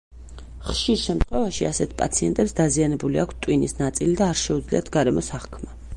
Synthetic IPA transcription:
χʃiɾʃɛmt̪ʰχwɛvaʃiasɛt̪̚ʰpʼa̰t̪sʰiɛnt̪ʼɛpsd̪azianɛbuliakʰst̪ʼwinisnat̪sʼilid̪aːɾʃɛud̪zlḭat̪ʰɡaɾɛmɔsaχkʰma

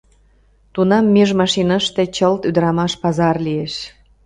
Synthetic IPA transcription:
t̪unɑmːeʒmɑʃinɑʃt̪et͡ɕəlt̪yd̪əɾɑmɑʃpɑzɑrlieʃ

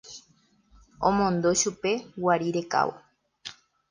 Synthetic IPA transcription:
õmõnd̪o̞ʃupe̞waɾiɾe̞ka̰ʋo̰

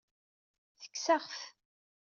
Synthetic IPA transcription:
θə̥kːsaʁf

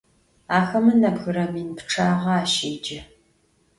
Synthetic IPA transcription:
aːxɐmɨnɐbxɨɾɐminpʈ͡ʂʰaːʁɐaːʃeːd͡ʒɪ

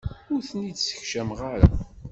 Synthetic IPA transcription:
ʊɾθənid̪sə̥çʃæmʁaɾa̰

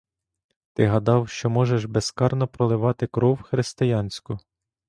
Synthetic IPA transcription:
t̪ɪɦɐd̪ɑwʃt͡ʃɔmɔʒeʃbeskɑrnɔpɾɔlˠɪʋɑt̪ɪkɾɔwxɾɪst̪ɪjɑnʲsʲkʊ

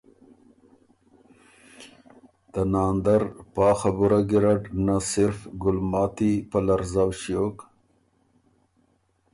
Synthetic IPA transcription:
d̪̥ənɑːnd̪aɾpɑːxabuɾaɡiɾaʈnasɪɾfɡʊlmɑːt̪ipəlaɾzawʃjok

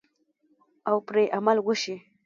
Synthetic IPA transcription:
awpɾeʔamalɡʊʃi

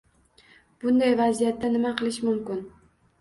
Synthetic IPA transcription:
b̥ʊnd̪ajvazijat̪ːanɪmaqʰɨlˠɪʃmʊmkʲɪn

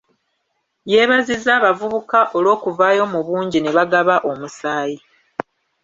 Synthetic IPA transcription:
je̞ːβazizaːβavuβukaʔo̞lo̞ːkuvaːjo̞muβuːɲɟineβaɡaβaʔo̞musaːji

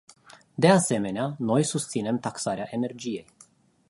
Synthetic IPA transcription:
d̪e̞ase̞me̞neano̞jsust̪sine̞mt̪aksaɾeaʔe̞ne̞rd͡ʒije̞j

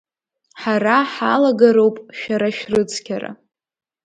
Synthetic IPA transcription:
ħaɾaħalaɡaɾowpʼʃᶣaɾaʃrɨt͡sʰkʲʰara̰

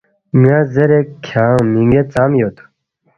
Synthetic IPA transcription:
mijãːzɐɾekʰãːmiŋɡet͡saːmjot̪ʰu̥

